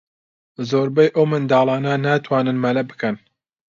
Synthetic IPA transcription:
zoːɾbɛjʔowmɨnd̪ɑːlˠɑːnɐnaːt̪ʰwɑːnɨnmɐlɐbɨ̥kɐn

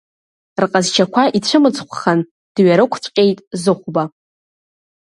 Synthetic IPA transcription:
rqʼazt͡ʃʰakʷʰaʔit͡ɕʷʰɨmɨt͡sʰʼχʷʰχan | d̥ɥaɾɨkʷʰt͡ɕʷʼqʲʼe̞jtʼzɨχʷba

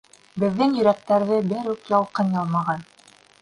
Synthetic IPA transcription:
bɘ̆ðːɘŋjɵ̆ɾæk̚t̪æɾðɘbɘɾʉkjɑlˠqɤnjɑlˠmɑʁɑn

